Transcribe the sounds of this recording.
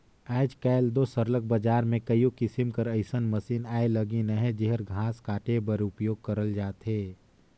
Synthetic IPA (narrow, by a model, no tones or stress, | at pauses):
aːd͡ʒkɛːld̪osəɾlək̚bəd͡ʒaːɾmẽkɐjukɪsɪmkɐɾɐɪsənməsiːnaːelɐɡinəɦɛ̃d͡ʒɪɦəɾɡʱãːskaːʈebɐɾʊpjoːɡ̚kɐɾəld͡ʒaːt̪ɦeː